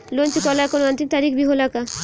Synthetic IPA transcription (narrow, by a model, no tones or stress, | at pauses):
lont͡ɕikɔlaɾkonoant̪int̪aɾikbiɦolaka